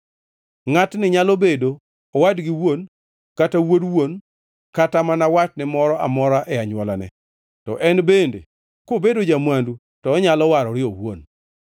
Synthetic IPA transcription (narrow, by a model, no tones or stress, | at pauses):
ŋatnɪɲalobedoː | wadɡɪwon | katawodwon | katamanawat͡ʃnɛmɔɾɔʔa̰mɔɾaʔɛaɲwɔlanɛ̰ | tɔ̰ʔɛnbendḛ | kobedod͡ʒamwandu | tɔːɲalɔwaɾɔɾɪɔwo̰n